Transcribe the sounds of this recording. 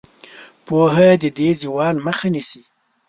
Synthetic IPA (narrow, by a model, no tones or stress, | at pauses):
poɦad̪əd̪eziwɑːlməxanisi